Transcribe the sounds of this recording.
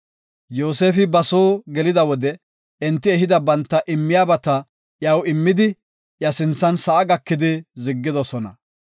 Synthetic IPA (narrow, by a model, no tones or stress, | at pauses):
joːse̞ːfɪbɐso̞ːɡɛlɪd̪ɐwɔd̪ɛ | ɪnt̪ːɪɛɦɪd̪ɐbɐnt̪ːɐʔɪmːɪjaːbɐt̪ɐ | jɐwɪmːɪd̪ɪ | jɐsɪnt͡sːɐnsɐʔːɡɐkːɪd̪ɪzɪɡːɪd̪ɔsɔnɐ̰